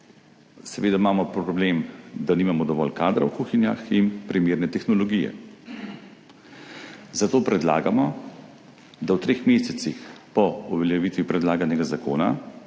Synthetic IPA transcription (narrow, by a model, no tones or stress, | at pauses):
sɛʋeːd̪aimaːmɔpɾɔbleːmd̪aniːmamɔd̪ɔʋɔ̰lkaːd̪ɾa̰wkuxinja̰xinpɾimeːɾnɛt̪ɛxnɔlɔɡijɛ̰ | zat̪oːpɾɛd̪la̰ːɡamɔ | d̪awt̪ɾeːxmeːsɛt̪sixpɔuʋɛljɛʋiːt̪ʋipɾɛd̪laːɡanɛɡazakoːna̰